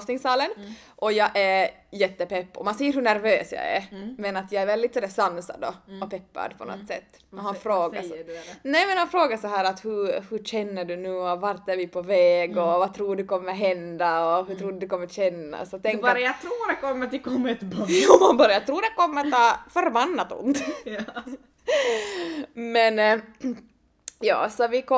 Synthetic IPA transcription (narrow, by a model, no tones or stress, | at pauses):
snɪŋsɑːlən | ʔɔjɑːʔæɾjɛt̪ːəpɛpːɔmansɛjːəɾɦɵɳæɾvøːsjɑ̰æ̰ɾmɛnat̪jɑːæɾvɛld̪ɪt̪sɔd̪ɛsanːsa̰d̪ɔ̰ɔpʰɛpːa̰d̪pʰɔnɔ̰t̪ːsɛ̰t̪ːɛhanfɾoːɡanɛmɛnhanfɾoːɡasɔɦæːɾat̪hʉhɵɕɛnːəɖʉnʉːɔvaɾt̪æɾvɪpʰɔvɛːɡɔvat̪ʰɾuːɖɛkɔmːəɾɦɛnd̪aɔɦʉt̪ʰɾuːd̪d̪ɛkʰɔmːəɾɕɛnːa̰sɔt̪ʰɛŋkbɾajat̪ʰɾuːɖɛkɔmːət̪ɪlkʰɔmːɛt̪bjɑanbɑːɾajat̪ʰɾuːɖɛkɔmːəɾt̪ɑːfœɾbanːat̪ʊ̰nt̪ | mɛn | jɑ̰ːsɔvɪkɔ